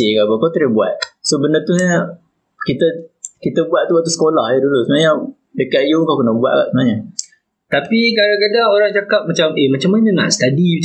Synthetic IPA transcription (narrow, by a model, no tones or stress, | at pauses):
ekaʔbakat̪iɾəhbuat̪̚sobənət̪uɲə | kit̪əkit̪əbuaʔ̚t̪uwaʔt̪usə̥kolahjədulusəmnaɲa | dəkaʔ̪̚jukakənabua̰t̪̚ka̰ʔsəmnaɲa | t̪apikadakadaoɾaŋd͡ʒakap̚mat͡ʃamemat͡ʃamaɲəna̰ʔsə̥t̪adi